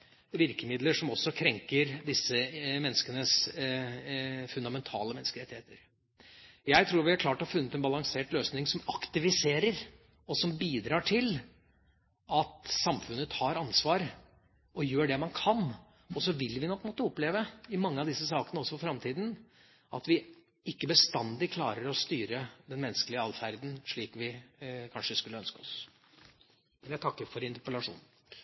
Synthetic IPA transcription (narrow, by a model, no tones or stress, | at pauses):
ʋɪɾkəmɪd̪ləʂɔmɔsːɔkʰɾɛŋkəɾd̪ɪsːəmɛnːəskənəs | fʉnd̪ɑmɛnt̪ʰɑ̰ːləmɛnəskəɾɛt̪ːɪheːt̪əɾ | jæɪt̪ʰɾuːɾʋɪæɾkʰlɑːʈɔhɑfʉnːət̪ɛnbɑlɑŋseːʈløːsnɪŋsɔmɑkt̪ɪʋɪseːɾəɾ | ɔsɔmbiːd̪ɾɑːʈʰɪl | ʔɑt̪sɑmfʉnːət̪ʰɑːɾɑnsʋɑːɾ | ʔɔjøːɖɛmɑnkʰɑn | ɔsɔʋɪlʋɪnɔkːmɔt̪ːəɔpleːʋəɪmɑŋːəɑʋd̪ɪsːəsɑːkənəɔsːɔfɔfɾɑmt̪ʰiːd̪n̩ | ʔɑ̰t̪ʋɪ | ɪkːəbəst̪ɑnd̪ɪkʰlɑːɾəɾɔst̪yːɾəd̪ɛnmɛnːəskəlɪəɑlfæɾd̪n̩ʂɭiːkʋɪkʰɑnʂəskʉlːəœnskəɔs | mɛnæɪt̪ʰɑkːəɾfɔɾɪnt̪əɾpəlɑʂṵːn̩